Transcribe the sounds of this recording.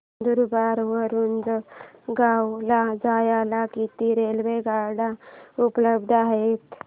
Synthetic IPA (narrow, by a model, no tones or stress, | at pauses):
d̪uɾbaɾʋəɾuːnd͡zɡawlad͡zajalakit̪iɾelʋeɡaɾɽaupləb̚d̪ʱaɦet̪